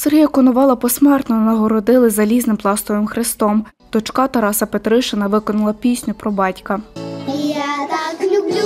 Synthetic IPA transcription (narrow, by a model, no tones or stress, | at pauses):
serɦijɐkɔnʊʋɑlˠɐpɔsmɛrt̪nɔnɐɦɔɾɔd̪ɪlˠɪzɐlʲiznɪmplˠɑst̪ɔʋɪmxɾɪst̪ɔm | d̪̥ɔt͡ʃkɑt̪ɐɾɑsɐpet̪ɾɪʃɪnɐʋɪkɔnɐlˠɐpʲisʲnʲʊpɾɔbɑtʲkɐ